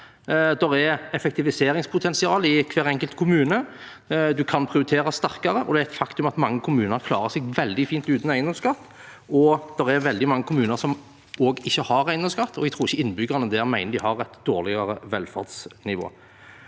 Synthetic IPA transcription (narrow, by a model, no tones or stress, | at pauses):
d̪ɛɾɛɛfɛkt̪ɪʋɪseːɾɪŋspʰʊt̪ʰɛnsɪɑːlɪkʰʋeːɾɛŋkəlt̪kʰʊmʉːnə | d̪ʉkʰɑnpʰɾɪʊɾɪt̪ʰeːɾɑst̪æɾkɑɾəʔɔ̰d̪ɛæɛɪt̪fɑkt̪ʉmɑt̪mɑŋːəkʰʊmʉːnəɾkʰlɑ̰ːɾəsɛɡʋɛld̪ɪfiːnt̪ʉːt̪næɪnɔmskɑt̪ː | ɔd̪̥ɛɾɛɾʋɛld̪ɪmɑŋːəkʰʊmʉːnəɾsɔm | oːɡɪçːəhɑɾæɪnɔmskɑt̪ʰːɔʋɛt̪ʰuːɪçəɪnːəbʏɡəʁnəd̪ɛːɾmæɪnəd̪ɪhɑʁɛt̪d̪̥oːʁlɪɡɑɾəʋɛlfɑ̰ʁd̪snɪʋo̰ː